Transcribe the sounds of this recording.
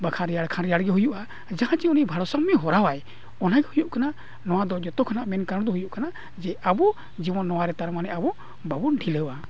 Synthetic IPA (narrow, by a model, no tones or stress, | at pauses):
bakʰaɾɛjaɽkʰanɾɛjaɽɡɛɦujuʔa | d͡ʒaɦãt͡ʃiunibʱaɽɔsamːɛɦɔɾawaj | ɔnaɡɛhujuʔkana | nɔwad̪ɔd͡ʒɛt̪ɔkʰanaʔmɛnkaɾɽ̃d̪ɔɦujuʔkana | d͡ʒɛabɔ | d͡ʒibɔnːɔwaɾɛt̪aɾmanɛʔabɔ | babunɖʰʱiləwa